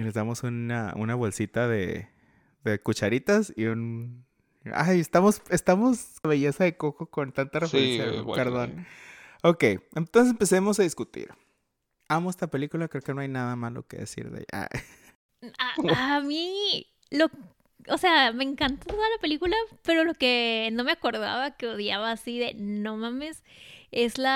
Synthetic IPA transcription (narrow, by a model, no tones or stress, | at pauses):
ile̞zðamo̞sunaṵnaβo̞lsit̪aðḛ | ðe̞kut͡ʃaɾit̪asiun | a̰jest̪amo̞sest̪amo̞z | aβeʝe̞saðe̞ko̞koko̞nt̪ant̪arefeensja̰peɾðo̞n | o̞ke̞jent̪onses̬empe̞se̞mo̞s̬aðiskut̪ḭɾ | amoest̪ape̞likulakɾeoke̞no̞ajnaðamalo̰kḛðḛsḭɾðḛa̰ | aami | lo̞ | ose̞ame̞ːŋkant̪at̪oðalape̞likulape̞ɾo̞lo̞keno̞meako̞ɾða̰βakeoðjaβaːsiðe̞no̞mãme̞se̞zla